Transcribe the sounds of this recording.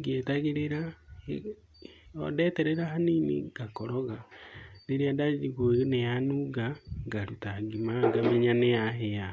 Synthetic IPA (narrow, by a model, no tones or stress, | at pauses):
ɡetaɣeɾeɾae | odɛːtɛɾɛɾaɦaniːnḛɡakoɾoɣaleɾiadad͡ʒiɣonejanuɡaŋɡaɾutaɡimaŋɡameɲanejaɦeja